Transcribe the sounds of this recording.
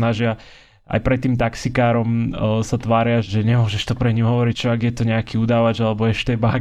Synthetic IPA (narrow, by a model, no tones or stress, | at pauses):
naʒɪa | ʔa̰jpɾɛt̪ːiːmt̪aksikaːɾɔmsat̪ʋaːɾɪaʒɛɲɛmʊɔʒɛʃt̪ɔpɾɛɲimɦɔʋɔɾict͡ʃɔaɡjɛt̪ɔɲɛakiːuːd̪aːʋad͡ʒalɛbɔɛʃt̪ɛːba